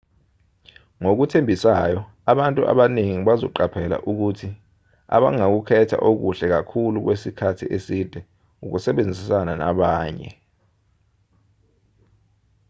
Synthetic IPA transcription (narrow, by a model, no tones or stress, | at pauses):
ŋok̬utʰembʱisajɔ | aɓantʼuʔa̰ɓaneŋiɓazɔ̰ǃapʰɛla̰ʔuk̬utʰi | a̰ɓa̰ŋak̬ukʰɛtʰa̰ʔok̬uɬɛk̬akʰuluk̬wesikʰatʰḭʔesid̥ʱɛ | uk̬usɛɓend͡zʱisanana̰ɓaːɲɛ̰